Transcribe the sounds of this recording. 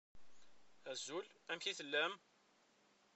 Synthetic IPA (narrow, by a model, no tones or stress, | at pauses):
æzulæmçiθəlːæm